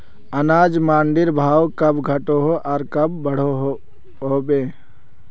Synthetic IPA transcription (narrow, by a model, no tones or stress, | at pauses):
ɐnaːd͡ʒmãːɳɖɪɾbʱaːwkɐbɡʱɐʈoɦoʔaːɾkɐbːɐɽ̤oɦ | ɦoːbeː